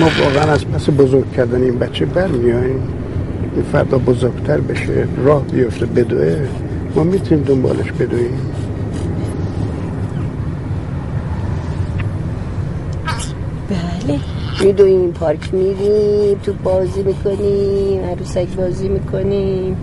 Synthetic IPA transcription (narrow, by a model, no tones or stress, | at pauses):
mɒːvɒ̰ːɣeænæzpʰæsebozoɾɡ̚cʰːæɾd̪æneiːnbæt͡ʃʰːebæɾmijɒːim | infæ̰ɾd̪ɒːbozoɾɡ̥t̪ʰæɾbeʃḛrɒːhbijoft̪ebed̪uʔe | mɒːmit̪ʰuniːmd̪ombɒ̰ːlʔeʃbe̞d̪uim | b̥æle | mid̪oimpʰɒːɾkʰʲmiɾimt̪ʰubɒːziːmiːkʰoniːmæɾusækbɒːziːmikʰonim